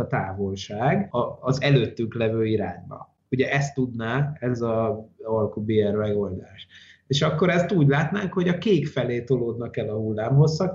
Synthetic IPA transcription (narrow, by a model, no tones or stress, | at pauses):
ɒt̪aːvo̞lʃaːɡɒːzɛløːt̪ːyŋklɛvøːiɾa̰ːɲbɒ̰ | uɟɛʔɛst̪ːud̪naːɛzɒɒlkubeːɛrmɛɡo̞ld̪aːʃeːʃɒkːo̞ɾɛst̪uːɟlaːt̪naːŋkho̞ɟɒkeːkfɛleːt̪o̞loːd̪nɒkɛlɒɦulːaːmɦo̞sːɒk